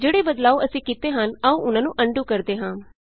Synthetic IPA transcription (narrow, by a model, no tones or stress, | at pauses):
d͡ʒeːɽeːbəd̪laːoːʔəsĩːkiːt̪eːɦənəũːʔʊnãːnũːʔəɳɖuːkəɾd̪eːɦãː